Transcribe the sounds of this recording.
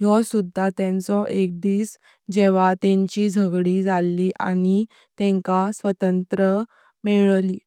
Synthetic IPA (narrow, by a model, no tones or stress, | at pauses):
jɔsud̪ʱːat̪ɛ̃nt͡sɔʔek̚d̪iːs | d͡ʑeʋat̪ẽɲt͡ɕiːd͡zʱəɡɽid͡zalːiʔani | t̪ɛ̃ŋkasʋət̪ənt̪ɾə | meɭliː